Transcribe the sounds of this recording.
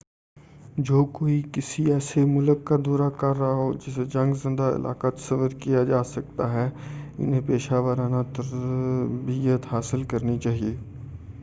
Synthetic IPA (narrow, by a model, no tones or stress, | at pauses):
d͡ʒoːkoːikɪsiɛːsemʊləkːad̪uːɾakɐɾːɦaɦod͡ʒɪsed͡ʒɐ̃ŋɡzɪ̃nd̪aɪ̰lʔa̰ːkat̪sɐʋəɾkijad͡ʒaːsɐk̚t̪aɦɛʊ̰nɦẽpeːʃaːʋəɾaːnat̪ɐɾ | bijət̪ɦaːsɪlkɐɾnit͡ʃaːɦieː